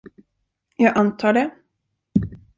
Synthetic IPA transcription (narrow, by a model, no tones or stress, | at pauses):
jɑːɡʔant̪ʰɑːɖɛ